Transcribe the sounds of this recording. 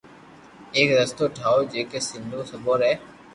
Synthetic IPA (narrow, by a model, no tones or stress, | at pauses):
eːkɾəst̪oːʈʰaːoːd͡ʒeːkeːsɪnd̪ʱoːsəboːɾɛː